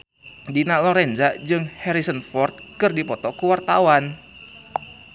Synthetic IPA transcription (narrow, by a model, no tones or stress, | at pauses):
dinalɔɾɛnd͡ʒad͡ʒɨŋhɛɾisənfɔrt̪̚kɨrdipɔt̪ɔkuwart̪awan